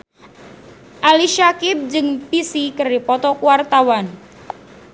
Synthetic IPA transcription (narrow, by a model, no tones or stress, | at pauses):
ʔaliʃakɪp̚d͡ʒɨŋpisikəripɔt̪ɔkuwart̪awan